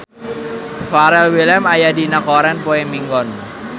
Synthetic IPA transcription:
faɾɛlwilɛmajadinakɔɾɛnpoɛmiŋɡɔn

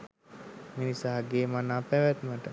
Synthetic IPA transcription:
minisaɦaɡeːmanaːpæʋæt̪məʈə

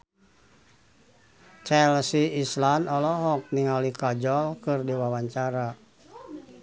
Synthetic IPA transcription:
t͡ʃɛlsiislanɔlɔɦɔk̚niŋalikad͡ʒɔlkɨrdiwawaɲt͡ʃaɾa

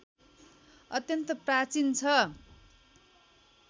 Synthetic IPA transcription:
ʌt̪jʌnt̪ʌprat͡sint͡sʰʌ

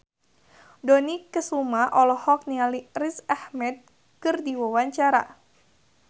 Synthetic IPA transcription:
dɔnikəsumaʔɔlɔhɔk̚nialirisahmɛt̪̚ | kɨrdiwawaɲt͡ʃaɾa̰

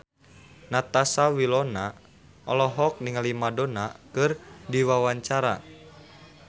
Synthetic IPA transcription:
nat̪asawilɔna | ɔlɔɦɔk̚niŋalimadɔnakɨrdiwawaɲt͡ʃaɾa̰

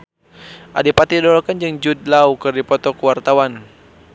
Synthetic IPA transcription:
ʔa̰dipat̪idɔlɔkand͡ʒɨŋd͡ʒudlaukɨrdipɔt̪ɔkuwart̪awan

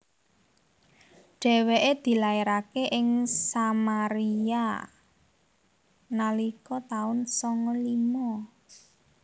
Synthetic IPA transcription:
ɖ̥ɛ̤weʔed̪̥i̤laeɾakeʔɪŋsamaɾia | nalikɔt̪aʊnsɔŋɔlimɔ

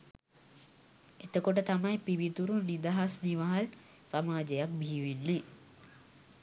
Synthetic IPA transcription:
et̪əkoʈət̪amɐjpibit̪uɾunid̪aɦasniʋaɦal | samaːd͡ʒejak̚bʱiiːʋinːe

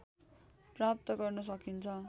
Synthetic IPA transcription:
prap̚t̪ʌɡʌrnʌs̬ʌkint͡sʰʌ

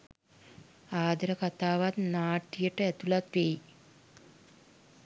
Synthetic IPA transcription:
aːd̪ɐɾəkat̪aːʋat̪naːʈːijəʈəɛt̪ulat̪ʋeji

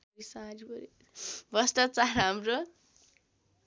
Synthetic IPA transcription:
isaɾibʌɾi | bʌsʈat͡saɾɦamɾo

